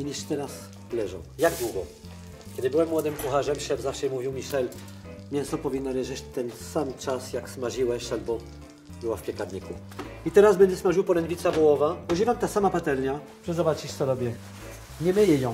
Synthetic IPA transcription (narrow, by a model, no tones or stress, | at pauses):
iɲʲiʂt̪ɛɾas | lɛʐɔ̰̃w̃jaɡd̪wuɡɔ | kʲɛd̪ɘbɘwɛmːwɔd̪ɘmkuxaʐɛmʲiʂɛmzafʂɛmuvʲiwmʲiʂɛl | mʲɛsɔpɔvʲinːalɛʐɛt͡ɕt̪ɛnsamt͡ʂasjaksmaʐiwɛɕalbɔ | bɘwafpʲjɛkaɾɲikṵ | it̪ɛɾazbɛnd̪ɛsmaʐɨwpɔlɛnd̪vʲit̪sabɔwɔvaɔʑivamt̪asamapat̪ɛlɲa | pʂɛzɔbat͡ɕiɕt̪sɔɾɔbʲjɛ | ɲɛmɘjɛjɔ̃w̃